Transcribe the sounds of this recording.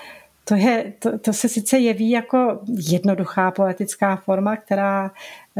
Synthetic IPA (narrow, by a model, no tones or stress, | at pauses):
t̪o̞jɛt̪ot̪o̞sɛsɪt͡sɛjɛviːjako̞jɛdno̞duxaːpo̞lɛt̪ɪt͡skaːfo̞ɾmak̚t̪ɛɾaː